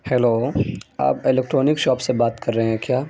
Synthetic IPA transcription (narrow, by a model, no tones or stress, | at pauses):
hɛloːa̰ːpɪlɛːk̚ʈɾɔːnɪkʃɔːpsebaːt̪kɐɾːɐɦeɦɛ̃kjaː